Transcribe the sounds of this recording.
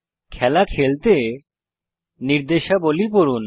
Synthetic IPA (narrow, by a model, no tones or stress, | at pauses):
kʰɛlakʰelt̪e | niɾd̪eʃabolipoɾun